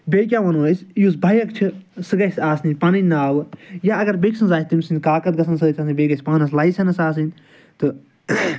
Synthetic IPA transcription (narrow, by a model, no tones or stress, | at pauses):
bʲekʲaʋɐnoːsʲjus̬bʱɐjɐkt͡ʃʰisɨɡɐsʲaːsninʲpaːnɐnʲnːaːʋɨjaɐɡɐɾbeːksɐnzaːt̪imʲsinʲkaːkɐt̪̚ɡɐsʰɐnsɐt̪ʲʰɐsĩbʲeːɡɐsʲpaːnɐs̬lajsʲɐnɐsaːs̬inʲ | t̪ɨ